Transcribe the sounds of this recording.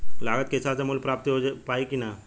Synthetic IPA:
laɡət̪̚kesat͡semulpɾap̚t̪iɦopaikina

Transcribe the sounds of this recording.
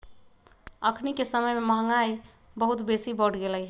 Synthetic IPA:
əkʰnikesəməjmemaɦŋaj | bəɦut̪besibəɽɡeləj

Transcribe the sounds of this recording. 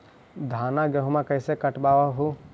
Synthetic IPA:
d̪ʱaːnaɡəɦumãkəɪsekəʈbaːʋaɦu

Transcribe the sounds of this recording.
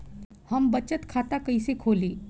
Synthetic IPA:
həmbət͡ʃət̪kʰat̪akəjsekʰoliː

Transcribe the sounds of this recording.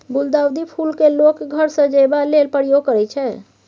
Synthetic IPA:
buld̪awd̪ipʰulkelokɡʱəɾsə̃d͡ʒəbalelpəɾjoɡ̚kəɾɛt͡ʃʰɛ

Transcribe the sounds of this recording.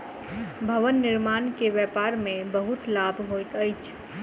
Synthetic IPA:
bʱɐʋənːɪɾmaːnkeʋjɛːpaːɾmẽbəɦʊt̪laːbʱɦoːjt̪əjt͡ʃʰ

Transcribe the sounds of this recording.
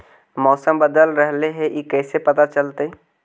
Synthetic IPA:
mɔːsəmbəd̪əlɾəɦleɦẽʔikɛːsepɐt̪at͡ʃəlt̪e

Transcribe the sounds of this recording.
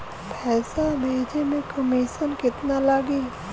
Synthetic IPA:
pʰɛːsameːd͡ʒʰʱemẽkəmiːsənkɪt̪nalaɡiː

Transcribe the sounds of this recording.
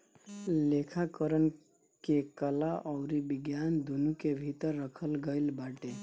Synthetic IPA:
lekʰakəɾən | kekəlaʔɔʊɾibiɡjand̪unukebʱit̪əɾːəkʰəlɡəɪlbaʈe

